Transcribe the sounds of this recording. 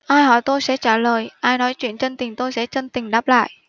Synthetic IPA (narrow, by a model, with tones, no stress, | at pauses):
ʔaː˧jhɔ˧˩jt̪o˧jsɛ̰˧˥t͡ɕaː˧˩ləː˨˩jʔaː˧jnɔ˨˦jt͡ɕwḭ˧˨ənt͡ɕe˧nt̪ï˨˩ŋt̪o˧jsɛ̰˧˥t͡ɕə˧nt̪ï˨˩ŋ̟ɗaː˦˥p̚la̰ː˧˨jʔ